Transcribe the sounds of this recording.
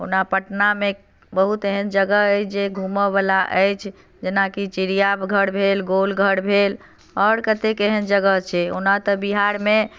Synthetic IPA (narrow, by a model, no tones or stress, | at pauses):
o̰napəʈname | bəɦut̪eɦənd͡ʒəɡəət͡ʃʰd͡ʒeɡʱuməbalaʔəjt͡ʃʰ | d͡ʒenakit͡ʃiɾijabɡʱəɽbʱelɡolɡʱəɽbʱel | ɔːɾkət̪ekeɦənd͡ʒəɡət͡ʃʰɛonat̪əbiɦaɾme